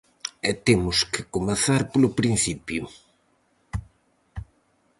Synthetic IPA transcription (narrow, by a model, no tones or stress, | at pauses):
ɛt̪emʊskɪkomeθaɾpolʊpɾinθipju